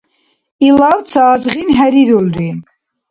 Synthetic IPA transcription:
ilɑvt͡sʰaːzʁinɦɛɾiɾulɾi

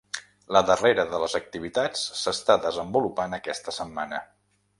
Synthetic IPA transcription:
ləðəreɾəðələzək̚t̪iβit̪at͡sːəst̪aðəzəmbulupanəkɛst̪əsəmːanə

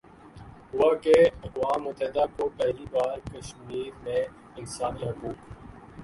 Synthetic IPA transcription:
ɦʊwakeɐɣwaːmːʊt̪əɦɪd̪akopɛɦlibaːɾkɐʃmiːɾmẽ | ɪnsaːniakuːk

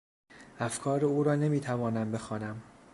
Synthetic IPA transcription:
ʔæfkʰɒːɾeuːɾɒːne̞miːt̪ʰævɒːnæmbe̞xɒːnæm

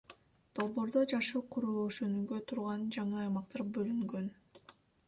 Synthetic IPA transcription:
d̪̥o̞lˠbo̞ːɾd̪od͡ʒɑʃɯqʰuɾulˠuʃønyɡøt̪ʰuɾʁɑnd͡ʒɑɴɯɑjmɑqt̪ɑɾbø̞lyŋɡø̞n

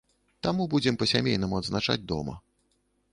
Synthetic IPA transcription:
t̪amubud͡zʲɛmpɐsʲamʲejnɐmuɐd̪znat͡ʂa̰d͡zʲd̪ɔ̰mɐ̰

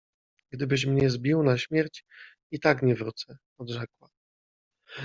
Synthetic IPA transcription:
ɡd̪ɘbɘɕ̬mɲɛzbʲiwnaɕmʲjɛɾt͡ɕ | it̪akɲɛvɾut̪sɛ | ɔd̪ʐɛkwa

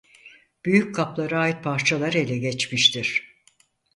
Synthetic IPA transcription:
b̥yjyc̚kʰaplˠaɾɯaːjit̪̚pʰaɾt͡ʃʰalˠaɾe̞lʲɛɟɛt͡ʃmiʃt̪ʰiɾ̥

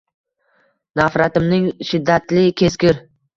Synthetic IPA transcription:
nafɾat̪ɪmnɪŋʃɪd̪ːat̪lɪkʲʰe̞skʲɪɾ

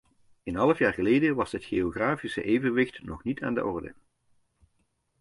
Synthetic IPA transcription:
ənɦɑləfjaːrχəlejdəʋɑsɦətxeoɣraːfisə̰ʔeːjvənʋɪxtnɔχnitʰa̰ːndə̰ʔɔrdə̰

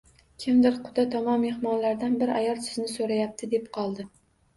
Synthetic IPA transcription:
kʲʰɪmd̪ɪɾqʰʊ̥d̪at̪ʰɒmɒmːe̞hmɒnlaɾd̪anbɪɾa̰jɒlˠsʰɪ̥znɪsoɾajap̚t̪ʰɪd̪e̞p̚qʰɒlˠd̪ɪ

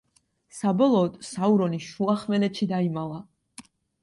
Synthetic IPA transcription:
sabɔlˠɔːd̪̥sauɾɔniʃuaχmɛlɛt̪ʃid̪aimala

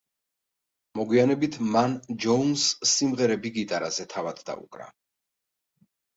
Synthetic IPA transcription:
mɔɡwianɛbit̪ʰmand͡ʒɔunsːimʁɛɾɛbiɡit̪ʼaɾazɛt̪ʰavad̪d̪a̰ṵkʼɾa̰

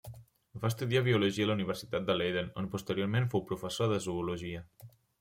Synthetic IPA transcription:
bast̪uðiaβiuluʒiələuniβ̞əɾsit̪at̪̚d̪əlejðənonpust̪əɾijoɾmẽnfowpɾufəsoðəzuuluʒiə

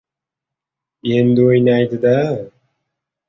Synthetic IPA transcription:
end̪ɪojnajd̪ɨd̪a

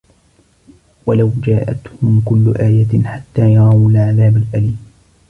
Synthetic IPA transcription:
walawd͡ʒaːʔat̪hʊmkʊlːʊʔaːjaħat̪ːaːjɑɾˤɑːwalʕaðaːbalʔaliːm

